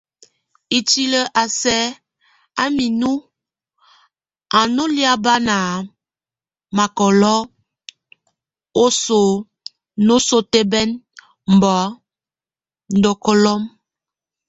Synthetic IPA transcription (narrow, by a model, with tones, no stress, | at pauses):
i˨ti˦lə˨ʔa˨sɛ˦ | a˦mi˨nu˦ | a˨no˦li˦a˦ba˦na˨ | ma˨kɔ˨lɔ˦ | o˦so˨ | no˦so˦te˦bɛ˦n | m̩˨bɔ˨˦ | n̩˦dɔ˦kɔ˦lɔ˦m